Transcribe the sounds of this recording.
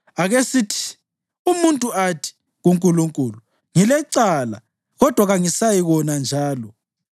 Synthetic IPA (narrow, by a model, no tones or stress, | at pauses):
aɣesitʰi̥ | umuntʼuʔatʰi̥ | ɣuŋkʼuluŋkʼuːlu | ŋilɛǀala̰ | ɣɔd̥ʱwaɣaŋisajiɣɔnand͡ʒʱaːlɔ